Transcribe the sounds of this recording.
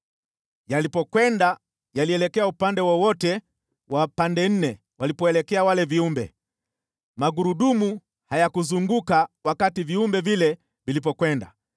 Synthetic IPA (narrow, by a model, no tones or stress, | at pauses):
jalipɔkwɛnda | jaliɛlɛkɛaupandɛwɔwɔtɛ | wapandɛn̩nɛ | walipɔɛlɛkɛawalɛviumbɛ̰ | maɡuɾuɗumu | hajakuzuŋɡukawakativiumbɛvilɛ | vilip̬ɔkwɛnda̰